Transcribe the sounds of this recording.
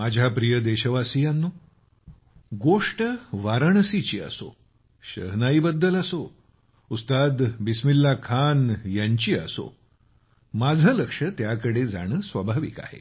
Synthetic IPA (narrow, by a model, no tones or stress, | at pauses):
mad͡ʑʱapɾijəd̪eɕəʋasijanːuː | ɡoʂʈəʋaɾəɳ̃sit͡ɕiːə̰so̰ | ɕə̰ɾnaibəd̪ːələso | ust̪ad̪bismilːakʰanjaɲt͡ɕiːə̰so̰ | mad͡zʱələkʂət̪jakəɽed͡za̰ɽ̃əːsʋəbʱaʋḭːka̰hḛ